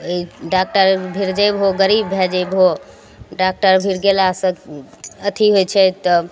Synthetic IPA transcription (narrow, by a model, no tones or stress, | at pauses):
əiɖak̚ʈəɾbʱiɾd͡ʒajbɦoɡəɾibːʱɛd͡ʒebɦo | ɖak̚ʈəɾbʱiɾɡelasə̃kət̪ʰiɦojt͡ʃʰɛt̪ɔ